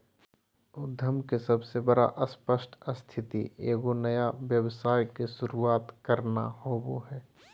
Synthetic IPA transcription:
ʊd̪ʱjəmkesɐbsebəɾa̰ʔəspəʃʈʰəst̪ʰɪt̪ḭḛːɡonɐjaʋjəwsaːjkeʃʊɾuaːt̪kəɾna̰hoboɦɛː

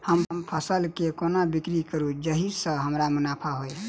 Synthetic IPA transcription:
həmmpʰəsəlkekonabikɾikəɾud͡ʒəɦisə̃ɦəmɾamunapʰaɦoj

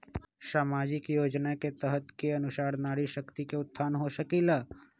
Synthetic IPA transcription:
saːmaːd͡ʒɪkjoːd͡ʒnaket̪əɦət̪keɐnʊʃaːɽnaːɽiʃəkt̪ikeʊt̪ʰːaːnɦoʃəkila

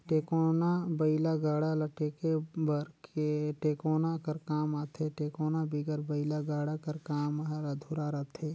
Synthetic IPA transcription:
ʈeːkonabəɪlaɡaːɽalɐʈeːkebəɾkeʈeːkoːnakɐɾkaːmaːt̪ʰeʈeːkoːnabiɡəɾbəɪlaɡaːɽakəɾkaːmɾad̪ʱuːɾaɾat̪ʰeː

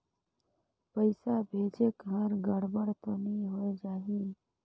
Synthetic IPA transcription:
pəɪsabʱeːd͡ʒekɦəɾɡəɽbəɽt̪oniɦojd͡ʒaːɦi

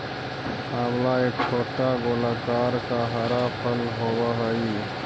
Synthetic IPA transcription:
ɦamlaekt͡ʃʰoʈːaɡolakaɾkaɦəɾapʰəlɦowəɦəi

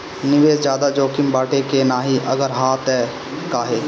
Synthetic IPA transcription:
nɪʋeːd͡ʒd͡ʒjaːd̪ad͡ʒoːkɪmbaːʈekenaːɦiʔɐɡəɾɦaːt̪ɛː | kaːɦeː

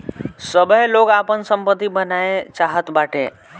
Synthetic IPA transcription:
səbʱəɦloɡaːpənsəmpət̪ːibənaːet͡ʃaːɦət̪baːʈʰeː

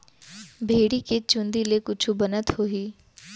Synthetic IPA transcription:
bʱeːɽiːket͡ʃʊnd̪iːleːkʊt͡ʃʰubənət̪hoːɦiː

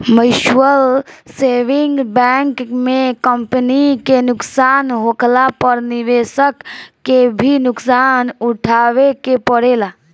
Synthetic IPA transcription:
məʃwəl | seːʋɪ̃ŋɡbɛŋkmẽkəmpənikenʊksaːnɦoklapəɾniʋeːsəkːebʱinʊksaːnuʈʰaːʋekepəɽeːla

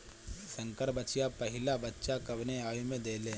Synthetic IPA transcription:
sɐ̃ŋkəɾbət͡ʃijapɐɦɪlabɐtːʃakɐbneaːimẽd̪eːle

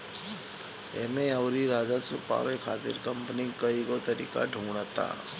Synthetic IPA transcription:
ḛːmẽɐʊɾiɾaːd͡ʒasupa̰ːʋekʰaːt̪ɪ̰ɾkɐ̃mpənikɐiɡot̪ɐɾḭːka̰ɖʱuːɽ̃at̪a̰ː

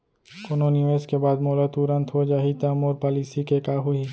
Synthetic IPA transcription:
koːnoniʋeːskebaːd̪moːlət̪uːɾə̃nt̪ʰɦod͡ʒaːɦit̪ɐəmʊːɾpaːliːsikekaːɦʊi

